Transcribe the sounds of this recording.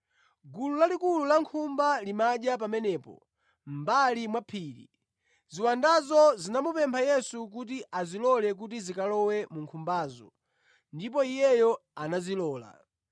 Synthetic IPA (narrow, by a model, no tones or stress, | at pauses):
ɡululalikululaŋkʰumbalimaɗjap̬amɛnɛːpɔ̰ | m̩balimwapʰiːɾḭ | ziwandazɔzinamupɛmpʰajɛsuk̬ut̬iazilɔlɛk̬utizikalɔwɛmuŋkʰumbaːzɔ̰ | ndipɔijɛjɔanazilɔːla̰